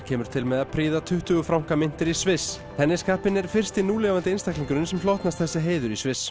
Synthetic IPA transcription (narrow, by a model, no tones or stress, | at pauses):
cʰɛːmʏɾ̥t̪ʰɪlmɛðapʰɾiːðat̪ʰʏht̪ʏɣʏfɾawmŋ̥kamɪn̥t̪ɪɾisvɪs | θɛnːɪskaːhpɪnɛɾ̥fɪr̥st̪ɪnuːlɛvant̪ɪɪnst̪akliŋkʏɾɪnsɛmflɔht̪nast̪θɛsːɪɦeːjðʏɾisvɪs